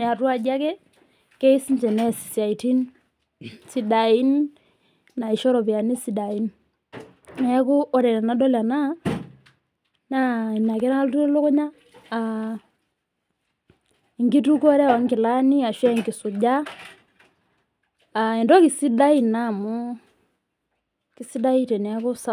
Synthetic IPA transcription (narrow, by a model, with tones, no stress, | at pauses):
a˨twa˨d͡ʒa˦kɛ˦ | ke˦i˦si˦ɲd͡ʒɛ˨nɛ˦˨si̥˨sja˨i˨ti˦n | si˦da˨i˦nː | a˨i˨ʃɔ˦ɾɔ˨pja˨ni˦si˨da˨i˦n | na˨ɛ˦ku˦ʔɔ˦ɾɛ˨na˨na˨˦dɔ˦la˨na˦ | na˦i˨na˨kɛ˦na˦ltu˦e˦lo˦ko˦ɲaː˦˨ | ŋɡi˦tu˦kɔ˦ɾɛ˦wa˨ŋkɪ˨la˦ni˦a˨ʃwa˦˨ŋɡi˨su˨ɟa˦˨ | ɛ˨ndɔ˦ki˨si˦da˦i˨na˦˨mu˦ | ki˦si˦da˦i˦tɛ˨nɛ˨a˦kʊ˦sa˦